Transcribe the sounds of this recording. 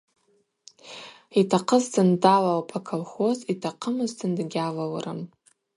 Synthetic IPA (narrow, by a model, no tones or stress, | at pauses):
itʰaqʰəzdɨndalawpʰʼakʰalχozitʰaqʰəmɨzdʰɨndɡʲalawaɾam